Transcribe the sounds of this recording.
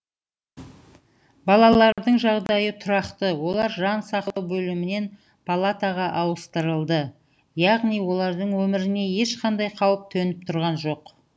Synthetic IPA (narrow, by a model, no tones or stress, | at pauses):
bɑlˠɑlˠɑɾd̪əɴʒɑʁd̪ɑjət̪ʰʊɾɑqt̪əwo̞lˠɑɾʒɑnsɑq̪ˠwbɵlɪmɪne̞n | pʰalˠat̪aʁɑʔɑwəst̪əɾəlˠd̪ə | jɑʁnijwo̞lˠɑɾd̪əɴwɵmɪɾɪne̞je̞ʃqʰɑnd̪ɑjqʰɑwəp̚t̪ʰɵnɪp̚t̪ʰʊɾʁɑnʒo̞q